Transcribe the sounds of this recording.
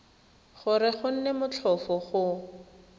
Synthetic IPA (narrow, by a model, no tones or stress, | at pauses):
χʊrɪχʊn̩nɛmʊt͡ɬʰɔfɔχʊ